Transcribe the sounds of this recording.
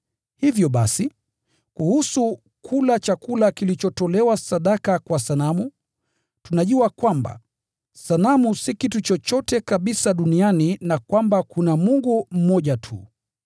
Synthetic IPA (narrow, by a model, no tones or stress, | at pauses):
hivjɔɓasi | kuhusu | kʰulat͡ʃakulakilit͡ʃɔtɔlɛwasaɗakakwasanamu | tunaʄuakwamba̰ | sanamusikitut͡ʃɔt͡ʃɔtɛkaɓisaɗunianinakwambakunamuŋɡum̩mɔʄatʰṵ